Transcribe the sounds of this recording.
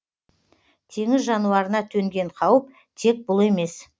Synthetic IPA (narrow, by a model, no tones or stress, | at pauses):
t̪ʰe̞ŋɪzʒɑnuɑɾənɑt̪ʰɵŋɡʲe̞ɴqʰɑwəp̚ | t̪ʰe̞k̚bʊlˠe̞me̞s